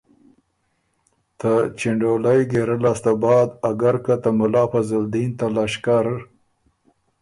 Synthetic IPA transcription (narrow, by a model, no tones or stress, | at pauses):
t̪at͡ʃɪɳɖolajɡeɾəlast̪abɑːd̪aɡaɾkat̪amʊlɑːpazəld̪int̪alaʃkaɾ